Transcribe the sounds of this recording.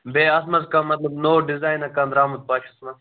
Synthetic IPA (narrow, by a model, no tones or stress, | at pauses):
beːɐsmɐzkãːmɐt̪lɐbnoːɖizaːjnɐkaːnd̪ɾaːmɐd̪̚paːt͡ʃʰɐsmɐ